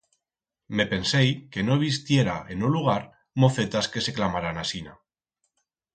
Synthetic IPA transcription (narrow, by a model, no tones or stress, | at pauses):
me̞pe̞nsejke̞no̞eβis̬t̪je̞ɾaʔe̞nuluɣ̞aɾ | mo̞θe̞t̪aske̞se̞klamaɾanasina̰